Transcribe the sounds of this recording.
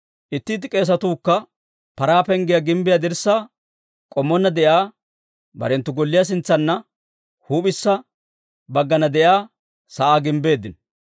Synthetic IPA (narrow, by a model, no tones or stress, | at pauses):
ʔɪt̪ːit̪ɪkʼe̞ːs̬ɐt̪uːkːɐ | pɐɾaːpɛŋɡɪjɐɡɪmbɪjad̪ɪɾsːa | kʼɔmːɔnːɐd̪ɛʔjaː | bɐ̰ɾɛnt̪ːʊɡɔlːɪjas̬ɪnt͡sːɐnːɐ | huːpʼɪsːɐ | bɐɡːɐnɐd̪ɛʔjaː | sɐʔaːɡɪmbe̞ːd̪ːɪn